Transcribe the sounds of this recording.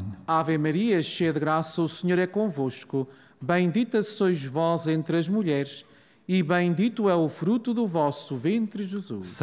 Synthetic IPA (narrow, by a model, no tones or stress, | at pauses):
avemɐɾiɐʃejɐðɨɣɾasɐusɨɲoɾɛkõvoʃku | bɐ̃j̪̃d̪it̪ɐsojʒvɔzẽnt̪ɾɐʒmuʎɛɾʃ | iβɐ̃j̃d̪it̪uɛufɾut̪uðuvɔsuvẽnt̪ɾɨʒɨzṵʃ